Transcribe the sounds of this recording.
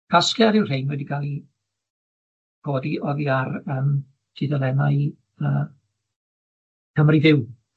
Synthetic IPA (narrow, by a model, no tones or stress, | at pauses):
kʰaskjɛɾɪwr̥ejnwɛdiɡalˠi | ɡ̥oːdiʔɔðiarəːm | tʰidəlˠɛmaɨ | əː | kʰəmriðɪw